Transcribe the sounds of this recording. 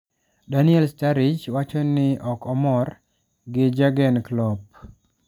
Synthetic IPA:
danɪɛlstaɾɪd͡ʒwat͡ʃɔnɪɔkɔmɔr | ɡɪd͡ʒaɡɛnklɔp̚

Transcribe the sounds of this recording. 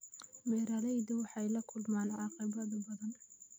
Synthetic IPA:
mɛːɾɐlɛjðʊwɑħɑjlɐkʰʊlmaːnʕɑqɪβɐðɐbɐðɐn

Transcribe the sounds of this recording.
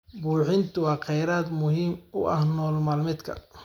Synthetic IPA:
buːħɪnt̪ʰʊwɑːqɛjɾaːd̪mʊɦiːmʊ̰ʔɐ̰hnɔːlmɐːlmɪd̪kʰɐ̰

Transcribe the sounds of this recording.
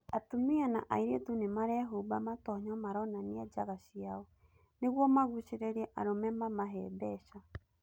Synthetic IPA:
atomiana̰ʔa̰iɾetunemaɾɛaɦubamatɔɲɔmaɾɔnaniad͡ʒaɣaɕiaɔ | neɣwɔmaɣuɕeɾɛɾɛʔa̰ɾomɛmamaɦɛbɛɕa

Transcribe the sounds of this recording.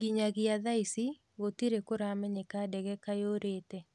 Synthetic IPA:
ɡiɲaɣiaðaisi | ɣotiɾekoɾamɛɲekadɛɣɛkajoɾeːtɛ

